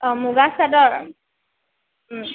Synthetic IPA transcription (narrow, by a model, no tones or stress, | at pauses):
muɡasadɔɹ